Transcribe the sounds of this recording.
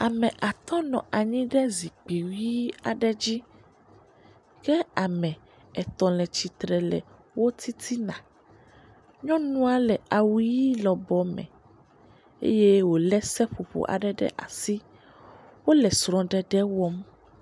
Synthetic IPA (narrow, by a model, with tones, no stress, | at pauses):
a˨mɛ̃˨ʔa˨t̪ɔ̃˦nɔ̃˨ʔa˨ɲĩ˦ɖɛ˦zi˨k͡pi˨wi˦a̰˨ɖɛ˦d͡ʑi˦ | kɛ˦a˨mɛ̃˨ | ɛ˨t̪ɔ̃˨lɛ˨t͡ɕi˨t̪ɾɛ˨lɛ̰˨ | wo˦t̪i˦t̪ʰi˦nã̰˨ | ɲɔ̃˦nũ˦a˨lɛ˨a˨wu˦ji˦lɔ˨bɔ˨mɛ̰̃˨ | ḛ˦je˦wo˨lɛ˦sɛ˦ɸo˨ɸo̰˨ʔa̰˨ɖɛ˦ɖɛ̰˦ʔa̰˨si˦ | wo˦lɛ˨sɾɔ̃˨ɖɛ˨ɖɛ˦wɔ˦m